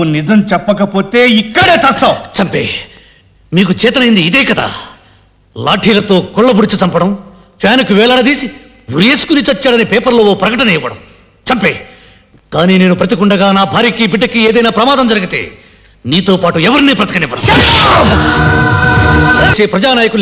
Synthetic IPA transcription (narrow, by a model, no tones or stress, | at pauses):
unid͡ʒɐmt͡ʃɛpːɐkɐpoːt̪eːikːɐɽeːt͡ʃeːst̪awt͡ʃɐmpḛː | miːk̬ut͡ʃɛːt̪ɐnɐjind̪iːd̪eːkɐd̪a̰ː | la̰ːʈʰiːlɐt̪o̞ːkɔɭːɐbuɽit͡ʃut͡ʃɐmpɐɽɐm | pʰaːnukuʋɛːɭɐɽɐd̪iːsi | uɾjeːsu̥kunit͡ʃɐt͡ʃːaːɽɐnipɛːpɐɾlo̞ːoːpɾɐkɐʈɐnɐijʋɐɽɐ̰m | t͡ʃɐmpeː | kaːniːne̞ːnupɾɐt̪̬ikuɳɖɐɡaːnaːbʱaːɾiːkibiɖːɐkieːd̪ɐjnaːpɾɐmaːd̪ɐmd͡ʒɐɾɐɡit̪e̞̰ː | niːt̪o̞ːpaːʈuɛʋɐɾiniːpɾɐt̪ikɐniʋːɐɽɐ̰m | ɐseːpɾɐd͡ʒaːnaːjɐku